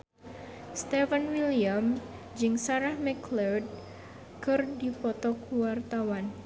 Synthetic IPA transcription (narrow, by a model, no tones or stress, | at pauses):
st̪ɛfənwiliam | d͡ʒɨŋsaɾahmɛklɔrd̚ | kɨrdipɔt̪ɔkuwart̪awan